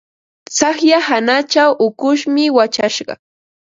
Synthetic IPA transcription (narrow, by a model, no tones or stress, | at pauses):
sɑχjahanat͡ʃawʔʊkʊʃmɪwat͡ʃaʃɢɑ̰